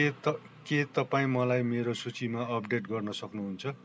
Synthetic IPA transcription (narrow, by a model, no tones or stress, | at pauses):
ʌ | ket̪ʌpaĩmʌlajmeɾosut͡simaʌpɖeʈɡʌrnʌsʌknuɦunt͡sʰʌ